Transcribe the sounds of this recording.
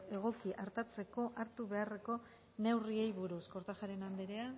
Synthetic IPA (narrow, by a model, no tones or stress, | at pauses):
e̞ɣ̞o̞kiʔaɾt̪at͡se̞ko̞ʔaɾt̪uβe̞are̞ko̞ | ne̞wriejβuɾusko̞ɾt̪axaɾe̞nand̪eɾea